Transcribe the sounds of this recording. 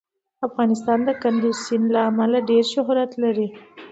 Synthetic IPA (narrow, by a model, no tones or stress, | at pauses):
afɣɑnɪst̪ɑnd̪əkand̪isinlaːmalaɖeɾʃʊɦɾat̪laɾi